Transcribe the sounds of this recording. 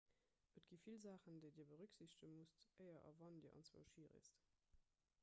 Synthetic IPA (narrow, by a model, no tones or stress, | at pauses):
ʔətɡ̥iːfilzaːχəndeɪdiːɐbəʁʉkz̥iɕtəmustʔəɪɐʔɑ̰vɑndḭːəʔɑ̰nt͡sv̥o̰ːʃiːʁə̰st